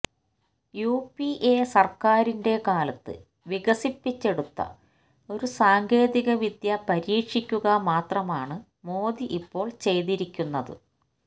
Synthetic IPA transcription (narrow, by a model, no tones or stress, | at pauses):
juːpiʔesɐrkaːɾinde̞kaːlɐt̪ːɨ̰ | ʋiɣɐsipːit͡ɕːe̞ɽut̪ːɐ̰ | o̞ɾusaːŋɡe̞ːðiɣɐʋid̪jɐpɐɾiːkʂikʲːuɣɐmaːt̪rɐmaːɳɨ | mo̞ːd̪iʔipːo̞ːɭt͡ɕe̞jðiɾikʲːunːɐðɨ̰